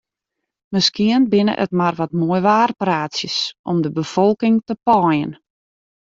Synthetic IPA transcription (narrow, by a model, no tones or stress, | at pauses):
məskiənbɪnə̰ʔə̰tmarʋɔtmoəjʋaːrpraːtsjəsʔɔmdəbəfɔlˠkɪŋtəpɔjə̰n